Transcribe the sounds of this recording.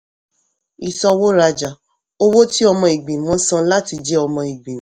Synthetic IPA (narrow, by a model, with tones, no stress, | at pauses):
i˨sɔ˧wo˦ɾa˧d͡ʒa˨ | o˦wo˦ti˦ɔ˧mɔ̃˧i˨ɡ͡bẽ˨mɔ̃˨˦sã˧la˦ti˧d͡ʒɛ˦ɔ˧mɔ̃˧i˨ɡ͡bẽ˨˦